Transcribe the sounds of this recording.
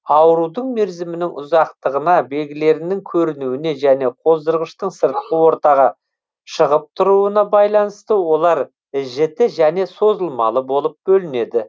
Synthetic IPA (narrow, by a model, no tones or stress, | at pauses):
ɑwəɾud̪əɴme̞ɾzɪmɪnɪŋʔʊ̰zɑqt̪əʁənɑbe̞ɡʲɪle̞ɾɪnɪŋkʲʰɵɾɪnuwɪne̞ʒæne̞qʰo̞zd̪əɾʁəʃt̪əɴsəɾt̪̚qəwo̞ɾt̪ɑʁɑ | ʃəʁəp̚t̪ʰʊɾuənɑbɑjlˠɑnəst̪əwo̞lˠɑɾ | ɪʒɪt̪ɪʒæne̞so̞zəlˠmɑ̰lˠəbo̞lˠəp̚bɵlɪne̞d̪ɪ